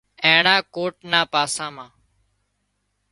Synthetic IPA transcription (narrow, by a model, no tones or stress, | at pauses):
ẽːɳaːkoːʈnaːpaːsãːmãː